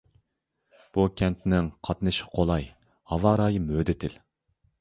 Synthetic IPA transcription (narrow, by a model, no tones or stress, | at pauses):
b̥ukʲʰɛnt̪nɪŋqʰɑt̪nɨʃqʰolˠɑj | hɑvɑːɾɑːjɨmød̪ɪt̪ʰɪl